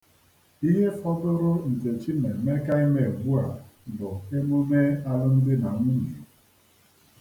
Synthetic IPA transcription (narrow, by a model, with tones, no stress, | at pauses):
i˦ɦe˦fɔ˦dʊ˦ɾʊ˦n̩˨te˨t͡ʃi˦ne˨me˦ka˦i˦me˦˨e˨bu˦a˨dʊ˨e˦mu˦me˦a˦ɾʊ˦n̩˦dɪ˦na˨˦mu˦ɲi˨